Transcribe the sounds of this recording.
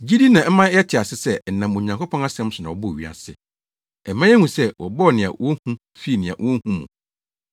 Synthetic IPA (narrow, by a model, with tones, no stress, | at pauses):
d͡ʑi˦di˦nã˨m̩˦mã˦ɛ˦tʰɪ˨a˨sɪ˦sɛ˦n̩˨nã˨mõ˨ɲã˨ŋkʰo˦pʰɔ̃˦na˦sɛ̃˦m̩˦sʊ˨nã˨wɔ˨bʊ˦˨ɥi˦a̰˨sɪ˦ | ɛ˨mːã˦ɛ˦hũ˨sɛ˦wʔɔ˨bɔ˦˨nɪ̃˨a̰˨wɔ˦hũ˦ | fi˦˨nɪ̃˨a̰˨wɔ˦hũ˦mṵ̃˨